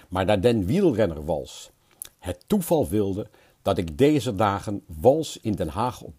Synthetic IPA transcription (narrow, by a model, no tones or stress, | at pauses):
maːɹdaːdɛnʋidəl̩ˠrɛnə̰rʋɑ̰lˠs | hətːuv̥ɑlˠʋɪlˠdə | d̥ɑtɪɡdejzədaːχənʋɑlˠsɪndɛnɦaːχɔ̰